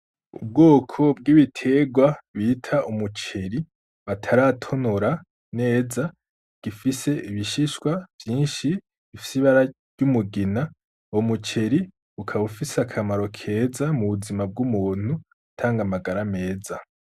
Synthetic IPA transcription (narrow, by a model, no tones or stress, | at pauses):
ṵb̚ɡoːkʰo̞b̚ɡiβitʰe̞ɡwaβiːtʰaumut͡ʃe̞ɾi | βatʰaɾatʰo̞noɾa | ne̞ːza | ɡ̥ifise̞ʔiβiʃiʃwav̥jiːnʃi | βifi̥siβaɾa | ɟumuɡina | omut͡ʃe̞ɾi | ukʰaβufisakʰamaɾo̞kʰe̞ːzamuβuzimab̚ɡumuːn̥hu | tʰaːŋɡamaɡaɾame̞ːza